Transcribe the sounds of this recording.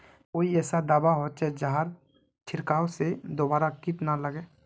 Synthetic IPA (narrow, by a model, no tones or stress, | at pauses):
koːiɛːsad̪aːbaɦot͡ʃɛd͡ʒaɦaɾ | t͡ʃʰɪɾkaːosed̪oːbaːɾakɪʈnaləɡeː